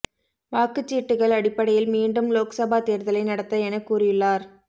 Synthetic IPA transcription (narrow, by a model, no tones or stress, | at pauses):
ʋaːkɯt͡ʃːiːʈːɯɣɐɭɐɽɪpːɐɽɐjɪlmiːɳɖɯmloːksɐbaːt̪eːɾðɐlɐɪnɐɽɐt̪ːɐɛnɐkːuːrɪjɯɭːaːɾ